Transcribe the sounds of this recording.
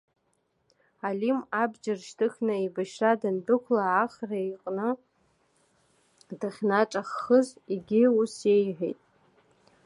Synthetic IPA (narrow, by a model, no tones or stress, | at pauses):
alimabd͡ʒɪrʃtʰɨxʲnɨibaʃradɨndɨkʷʰlaʕːχraiqʼnɨ | daχʲnaʈ͡ʂʼaχːəziɡʲɪuse̞jħʷᶣḛjtʼ